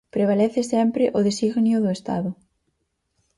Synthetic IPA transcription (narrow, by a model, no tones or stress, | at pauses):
pɾeβ̞alɛθɪsɛmpɾɪʔʊðesiɣnjʊðʊest̪a̰ðʊ